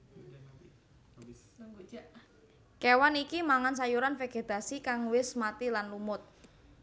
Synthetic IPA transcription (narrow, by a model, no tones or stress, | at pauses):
kewanikimaŋans̬ajuɾanfeɡ̥e̤d̪̥a̤sikaŋwɪsmat̪ilanlumʊt̪̚